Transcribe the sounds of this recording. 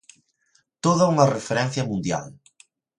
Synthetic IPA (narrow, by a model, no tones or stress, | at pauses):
t̪oðaumarefeɾɛn̟θjɐmund̪ja̰l